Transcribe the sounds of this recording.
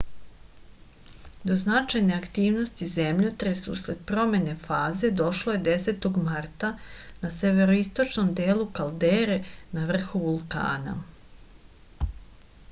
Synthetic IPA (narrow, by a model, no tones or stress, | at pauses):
d̪o̞znat͡ʃajne̞akt̪iːʋno̞st̪ize̞mʎot̪ɾesṵsɾed̪̚pɾo̞me̞ne̞faːze̞d̪o̞ʃlo̞je̞d̪e̞se̞ːt̪o̞ɡmart̪anase̞ʋe̞ɾoist̪o̞t͡ʃno̞md̪eːlukald̪eːɾe̞naʋr̩xuʋulˠka̰ːna̰